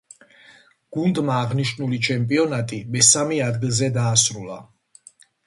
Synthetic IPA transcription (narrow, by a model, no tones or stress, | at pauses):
ɡ̥und̪maːʁniʃnulit͡ʃʰɛmpʼiɔnat̪ʼimɛsamiad̪ɡilˠzɛd̪aːsɾulˠa̰